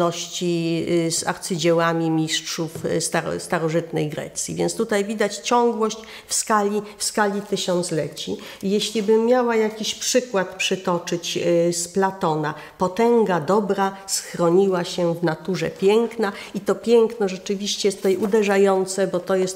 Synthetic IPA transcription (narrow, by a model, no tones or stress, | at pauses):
ɔɕt͡ɕiza̰ɾt̪sɘd͡ʑɛwamʲimʲiʂtʂufst̪aɾɔ̰st̪aɾɔʐɘt̪nɛjɡɾɛ̰t̪sʲjḭvʲjɛ̰nt̪st̪ut̪ajvʲid̪at͡ɕt͡ɕɔŋɡwɔɕt͡ɕ | fskalʲifskalʲit̪ɘɕɔnt̪slɛt͡ɕi | jeɕlʲibɘmʲːjawajakʲiɕpʂɘkwat̪pʂɘt̪ɔt͡ʂɘt͡ɕsplat̪ɔna | pɔt̪ɛŋɡad̪ɔbɾasxɾɔɲiwaɕɛvnat̪uʐɛ̰pʲjɛŋknait̪ɔpʲjɛŋknɔʐɛt͡ʂɘvʲiɕt͡ɕɛjɛst̪ɛjʔud̪ɛʐajɔnt̪sɛbɔt̪ɔjɛst̪